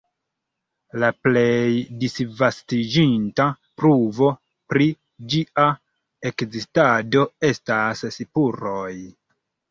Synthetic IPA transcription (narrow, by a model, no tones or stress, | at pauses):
laple̞jdisvastid͡ʒinta | pɾuvo̞ | pɾi | d͡ʒiʔa | e̞kzistado̞e̞stassipuɾo̞j